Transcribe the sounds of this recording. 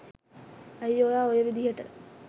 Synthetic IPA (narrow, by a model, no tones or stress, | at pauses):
ɐjːojaːojəʋid̪iɦəʈə̰